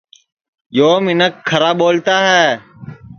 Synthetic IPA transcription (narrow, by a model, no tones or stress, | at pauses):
joːmɪnəkʰːəɾaːɓoːlt̪aːɦɛː